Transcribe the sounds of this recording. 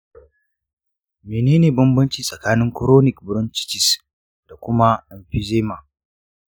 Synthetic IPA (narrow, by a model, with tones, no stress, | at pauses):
meː˨neː˦neː˨bɐ˦mbɐ˦nt͡ʃiː˨sʼɐ˨kaː˦nɪ˦ŋkʊ˦ɾoː˦nɪ˨kbʊ˨ɾʊ˦nt͡ʃɪ̥˦t͡ʃɪ˨s | d̥a˨kʷʊ˦ma˦ʔɛ˨mɸi˦zeː˦ma˨